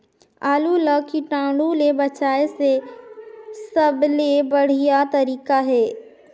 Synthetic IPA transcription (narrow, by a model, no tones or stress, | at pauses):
aːluləkʰiʈãːɽũlebɐt͡ʃaːese | sɐblebɐɽ̤ijat̪ɐɾiːkaɦeː